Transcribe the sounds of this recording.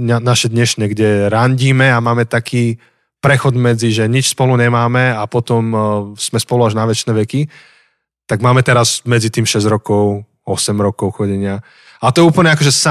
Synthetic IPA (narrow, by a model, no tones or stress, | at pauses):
ɲanaʃɛd̪ɲɛʃɲɛɡɟɛɾaɲɟiːmɛamaːmɛt̪akʰiː | pɾɛxɔd̪mɛd͡ziʒɛɲit͡ʃspɔluɲɛmaːmɛapɔt̪ɔmsmɛspɔluaʒnaʋɛt͡ʃnɛːʋɛki | t̪aɡmaːmɛt̪ɛɾazmɛd͡zit̪iːmʃɛzɾɔkɔʊ | ɔsɛmɾɔkɔʊxɔɟɛɲɪa | at̪ɔɛuːpl̩ɲɛakɔʒɛsa